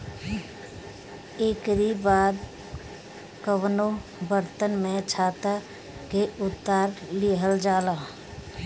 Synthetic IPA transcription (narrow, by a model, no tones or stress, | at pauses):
eːkɾibaːd̪ | kəwnobəɾt̪ənmẽt͡ʃʰaːt̪a | keʊt̪ːaːɾliɦəld͡ʒaːlaː